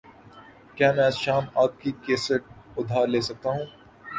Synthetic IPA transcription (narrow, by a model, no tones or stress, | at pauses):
kjaːmɛ̃ːsʃaːmaːp̚kikeːsəʈ̚ʊd̪ʱaːɾleːsɐk̚t̪aɦũː